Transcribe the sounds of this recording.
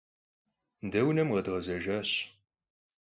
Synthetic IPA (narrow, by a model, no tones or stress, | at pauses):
ndɐwnɐmʁɐdʁɐzɐʒaːɕ